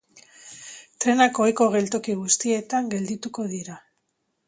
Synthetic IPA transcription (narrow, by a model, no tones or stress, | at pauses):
t̪ɾe̞nakojko̞ɣ̞e̞lt̪o̞kiɣust̪ie̞t̪aŋɡe̞ld̪it̪uko̞ðiɾa